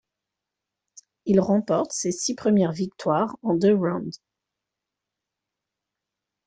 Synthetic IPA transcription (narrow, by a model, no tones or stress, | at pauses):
ilʁɑ̃pɔʁt̪sesipχəmjɛʁvik̚t̪waʁɑ̃d̪øʁãd̪